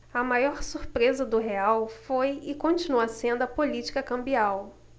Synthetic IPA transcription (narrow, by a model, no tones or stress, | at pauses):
ɐmajɔɾsuɾpɾezɐd̪ʊɦeawfojɪkõt͡ʃĩnuɐsẽnd̪ʊɐpolit͡ʃi̥kɐkɐ̃mbiaw